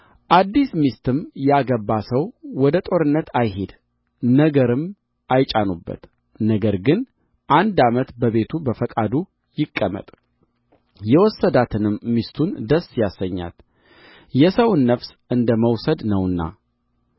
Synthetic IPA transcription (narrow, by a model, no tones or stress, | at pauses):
ʔad̪ːismist̪ʰɨmjaɡəbːasəwwɔd̪ət̪ʼo̞ɾɨnːət̪ʰajɦed̪ | nəɡəɾɨm | ʔajt͡ʃʼanubːə̰t̪ | nəɡəɾɡɨn | ʔand̪amət̪bəβe̞t̪ʰubəfəkʼad̪u | jɪkʼːəmə̰t̪ʼ | jɛwɔsːəd̪at̪ʰɨnɨmːist̪ʰund̪əsːjasːəɲːa̰t̪ | jɛsəwnːəfsʔɨnd̪əməwsəd̪nəwɨnːa̰